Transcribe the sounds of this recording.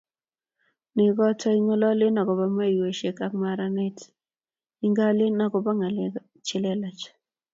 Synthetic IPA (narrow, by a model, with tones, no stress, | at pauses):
nɪ˨ɡɔ˦tɔ˦i˦ŋɔ˦lɔ˦lɪ˦na˨ɡɔ˨ba˦ma˦i˨we˨ʃe˨ka˨˦kma˨ɾa˦nɛ˦t | i˦ŋɡa˦lɪ˦na˨ɡɔ˨ba˦ŋa˨lɛ˨ | t͡ʃɪ˨lɛ˦lɔ˨t͡ʃ